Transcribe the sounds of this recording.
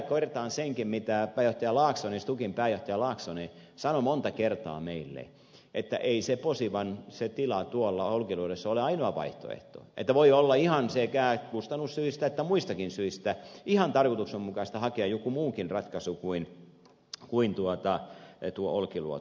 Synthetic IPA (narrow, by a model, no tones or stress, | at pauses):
kkːorʲet̪ɑːnseŋkimmit̪æpæːjoht̪ɑjɑlɑːksonist̪ukimpæːjoht̪ɑjɑlɑːksonisɑnomont̪ɑkert̪ɑ̰ːmeilːḛ | ʔet̪ːæ̰ʔeiseposiʋɑnset̪ilɑt̪uolːɑolkiluodesːɑoleɑinoɑʋɑ̰iht̪o̰ḛht̪o̰ːʔḛt̪ːæʋoiolːɑihɑnsekæːkust̪ɑnːˑussyist̪æet̪ːæmuist̪ɑkinsyist̪æihɑnt̪ɑrkot̪uksemmukɑist̪ɑhɑkeɑjokumuːkinrɑt̪kɑsukuin | kuint̪uot̪ɑt̪uoʔolkilṵo̰t̪